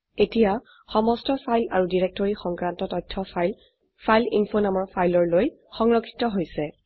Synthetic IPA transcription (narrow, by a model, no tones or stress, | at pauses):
etija | xɔmɔstɔpʰajlaɹudiɹek̚tɔɹixɔŋkɹantɔtɔjtʰːɔl | pʰajlinfonamɔɹpʰajlɔɹloj | xɔŋɹɔkʰːi̥tɔɦojsɛ